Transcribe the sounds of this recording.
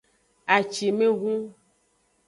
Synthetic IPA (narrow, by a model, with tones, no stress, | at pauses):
a˨t͡ʃi˨mẽ˦ɣũ˦